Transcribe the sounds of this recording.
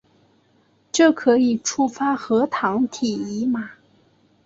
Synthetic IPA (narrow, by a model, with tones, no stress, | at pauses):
ʈ͡ʂɤ˥˩kʰɤ˧˥i˨˩ʈ͡ʂʰu˥fa˥xɤ˧˥t̪ʰɑ˧˥ŋt̪ʰi˨˩i˧˥ma˨˧